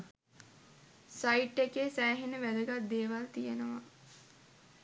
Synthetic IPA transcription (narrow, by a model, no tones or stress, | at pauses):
saiʈːekeːsæːɦinəʋæd̪əɡat̪̚d̪eːʋalt̪ijenəʋa